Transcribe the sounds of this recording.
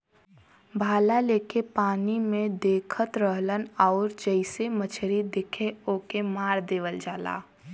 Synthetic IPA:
bʱaːlaleːkepaːnimẽd̪eːkʰət̪ɾəɦlənɔːɾd͡ʒəɪsemət͡ʃʰɾid̪ɪkʰeoːkemaːɾd̪eːʋəld͡ʒaːla̰ː

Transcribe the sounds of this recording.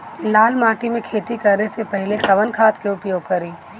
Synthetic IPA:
laːlmaːʈimẽkʰeːt̪ikɐɾnesepɛɦɪlekɐʋənkʰaːt̪keʊpjoːɡ̚kɐɾiː

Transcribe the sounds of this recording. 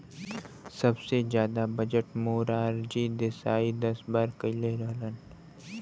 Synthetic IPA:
sɐbsezjaːd̪abəd͡ʒəʈmoːɾaːɾd͡ʒid̪ɪsaːid̪ɐsbaːɾkɐɪleɾəɦlən

